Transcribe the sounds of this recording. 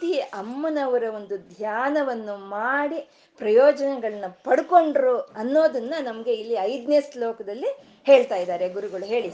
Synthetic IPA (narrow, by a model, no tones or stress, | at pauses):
t̪iʔɐmːɐnɐʋɐɾɐo̞nd̪ud̪ʱjaːnɐʋɐnːumaːɽi | pɾɐjɔːd͡ʒɐnɛɡɐɭɐnːɐpɐɽuko̞ɳɖɐɾuɐnːo̞ːd̪ɐnːɐnɐmɐɡe̞ilːiɐjd̪neslɔːkɐd̪ɐlːi | he̞ːɭt̪aːjid̪aːɾeɡuɾuɡɐɭuɦe̞ːɭi